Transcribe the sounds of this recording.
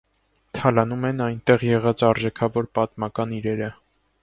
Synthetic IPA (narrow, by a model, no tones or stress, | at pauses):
t̪ʰɑlɑnumɛnɑjnt̪ɛʁjɛʁɑt͡sɑɾʒɛkʰɑvɔɾpɑt̪mɑkɑniɾɛɾə